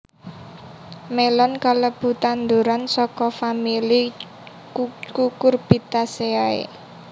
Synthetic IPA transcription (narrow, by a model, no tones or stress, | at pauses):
melɔnkaləb̥ṳt̪and̪uɾansɔkɔfamili | kukʊrb̥it̪aseaḛ